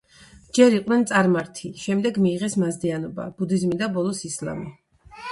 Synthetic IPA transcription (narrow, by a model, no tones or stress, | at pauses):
d͡ʒɛɾiqʼnɛnt̪sʼaɾmaɾt̪ʰiʃɛmd̪ɛɡmiːʁɛsmazd̪ianɔba̰b̥ud̪izmid̪abɔlˠɔsisla̰mi